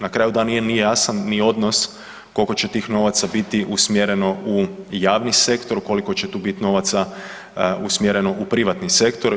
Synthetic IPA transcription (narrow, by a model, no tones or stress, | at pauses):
nakɾaːjud̪aːnije̞nijejasanːio̞d̪nos | ko̞lko̞t͡ɕet̪iːxno̞ʋat̪sabit̪iʔusmjeɾeno̞ujaːʋnise̞kt̪o̞ɾuko̞liko̞t͡ɕet̪uːbit̪ino̞ːʋat̪sa | usmʲjeɾe̞no̞ʔupɾiʋat̪nise̞kt̪o̞ɾ